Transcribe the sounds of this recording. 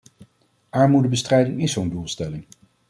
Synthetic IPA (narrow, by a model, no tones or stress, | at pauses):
ʔaːɹmudəbəstrɛjdɪŋɪszowndulˠstɛlɪŋ